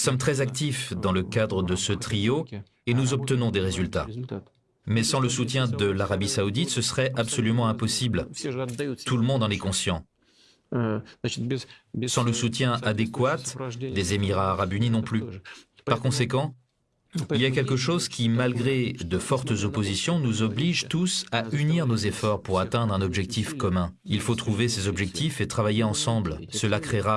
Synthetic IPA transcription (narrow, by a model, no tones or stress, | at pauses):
sɔmt̪χɛzak̚t̪ifd̪ɑ̃ləkad̪ʁəd̪əsət̪χijo | enuzɔp̚t̪ənɔ̃d̪eʁezylt̪a̰ | mɛsɑ̃ləsut̪jɛ̃d̪əlaʁabisaud̪it̪səsəʁɛapsɔlymɑ̃ɛ̃pɔsibl | t̪uləmɔ̃d̪ɑ̃nɛkɔ̃sjɑ̃ | sɑ̃ləsut̪jɛ̃ad̪ekwat̪d̪ezemiʁaːʁabyninɔ̃ply | ppaʁkɔ̃sekɑ̃ | ilijakʲɛlkəʃozkʲimalɡʁed̪əfɔʁt̪zɔpozisjɔ̃nuzɔbliʒt̪usayniʁnozefɔʁpuʁat̪ɛ̃d̪ʁɛ̃nɔbʒɛk̚t̪ʰifkɔmɛ̃ | ilfot̪χuvesezɔbʒɛk̚t̪ifet̪χavajeɑ̃sɑ̃blsəlakχeʁa